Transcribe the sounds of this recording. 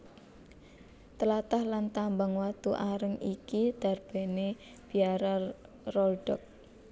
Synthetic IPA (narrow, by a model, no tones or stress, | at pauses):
t̪əlat̪ahlant̪ambaŋwat̪uʔaɾəŋikid̪̥a̤rb̥e̤ne | b̥i̤aɾa | rɔlɖ̥ɔk̚